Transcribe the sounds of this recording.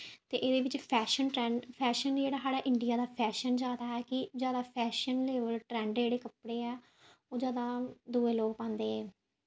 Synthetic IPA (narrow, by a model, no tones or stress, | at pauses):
t̪eːʔeːd̪eːʋɪt͡ʃpʰɛːʃənʈɾɛ̃ːɳɖpʰɛːʃənd͡ʒeːɽaːɦaːɽaːʔɪ̃ɳɖɪjaːd̪aːpʰɛːʃənd͡ʒaːd̪aːɦɛːkɪd͡ʒjaːd̪aːpʰɛːʃənleːʋəlʈɾɛ̃ːɳɖd͡ʒeːɽeːkəpɽeːɛː | oːd͡ʒaːd̪aːd̪uːẽːloːɡpãːnd̪eːɦɛː